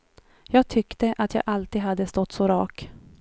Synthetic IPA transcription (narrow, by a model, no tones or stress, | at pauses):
jɑːɡ̚t̪ʰʏkt̪əʔat̪ʰjɑ̰ːɡʔalt̪iːd̪ɦad̪ːəst̪ɔt̪ːsɔɾɑːk